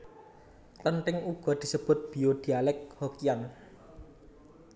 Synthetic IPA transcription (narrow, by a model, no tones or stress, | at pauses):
t̪ənt̪ɪŋuɡ̥ɔ̤d̪̥i̤səb̥ʊ̤t̪̚b̥i̤od̪̥i̤alɛk̚hokian